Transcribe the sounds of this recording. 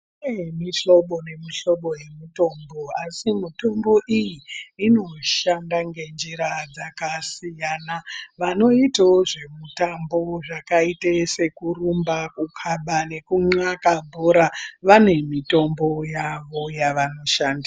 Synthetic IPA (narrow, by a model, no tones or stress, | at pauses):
emiɬo̞ɓo̞ne̞miɬo̞ɓo̞je̞mito̞ːmbo̞asimito̞mbo̞ʔijiːno̞ʃandaŋɡe̞nd͡ʒiɾad͡zakasijaːnaʋano̞itaoʐe̞mutambo̞ʐakaitese̞kurumbakukʰaɓane̞kuŋ͡ǀakabʱoɾaʋane̞mito̞mbo̞jaʋo̞jaʋano̞ʃaːndi